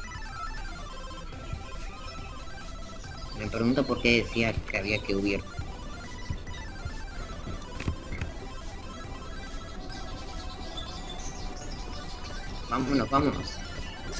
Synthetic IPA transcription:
me̞pɾeɣunt̪opo̞ɾke̞ðeθiaskeaβ̞iakeuβiɾ | bamonoβamono̰s

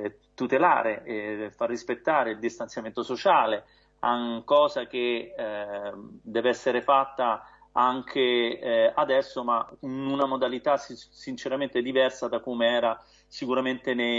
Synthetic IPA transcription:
t̪ut̪ela̰ːɾefarːispet̪ːaːɾeild̪ist̪ansjament̪osot͡ʃaːle | aŋkɔːzak̟e | d̪ɛːvɛsːeɾefat̪ːa | aŋk̟ʰe | ad̪ɛsːomainunamod̪alit̪assint͡ʃeɾament̪ed̪ivɛrsad̪akomeɛːɾa | sikuɾament̪ene

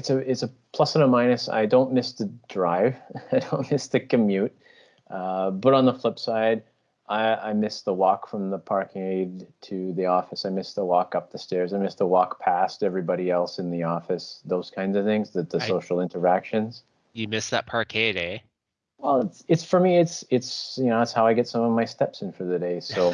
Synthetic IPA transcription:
ɨtsɨɪtsɨpʰl̥ʌsə̃ɾəmãɪ̃nɨsa̰ɪdõʊ̃nmɪsðɨdɹaɪv̥aɪdõʊ̃nmɪsðɨkɨmjʉt̚ | ʔʌbʌɾn̩ðəflɪpsaɪd | ʔaɪa̰ɪmɪsðəwɔkfɹʌ̃mðəpʰɑɹkʰeɪd̚tʰɨðiɔfɨsaɪmɪsðəwɔkʌp̚ðɨstɛɹzaɪmɪsðəwɔkpʰæstɛvɹibɑɾiɛlˠsɨ̃nðiɔfɨsðoʊz̥kʰãɪ̃ndzʌv̥θɪ̃ŋzðɨðɨsoʊʃl̩ˠɪ̃ntə˞ækʃɨ̃nz̥ | jɨmɪsðə̰t̚pʰɑɹkʰeɪɾeɪ | wɛlˠɪtsɨtsfə˞miɨtsɪtsjɨnoʊðætshaʊaɪɡɛtsʌ̃mʌvmaɪstɛpsɨ̃nfə˞ðɨdeɪsoʊ

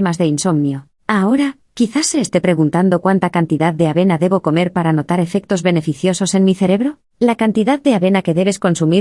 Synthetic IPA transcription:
mazðe̞inso̞mnjo̞ | ao̞ɾa | kiθasːe̞ːst̪e̞pɾe̞ɣunt̪and̪o̞kwant̪akant̪iðaðd̪e̞aβe̞naðe̞βo̞ko̞me̞ɾpaɾano̞t̪aɾe̞fe̞k̚t̪o̞zβe̞ne̞fiθjo̞so̞se̞nmiθe̞ɾe̞βɾo̞ | lakant̪iðaðd̪e̞aβe̞nake̞ðe̞βe̞sko̞nsumi

